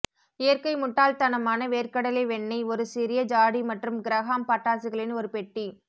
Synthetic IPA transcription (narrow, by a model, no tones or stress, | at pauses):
ɪjɐɾkɐɪmʊʈːaːlt̪ɐnɐmaːnɐʋeːrkɐɽɐlɐɪʋɛɳːɐɪɔɾɯsɪɾɪjɐd͡ʒaːɽimɐʈrɯmɡɪɾɐɣaːmpɐʈːaːsɯɣɐɭɪnɔɾɯpɛʈːi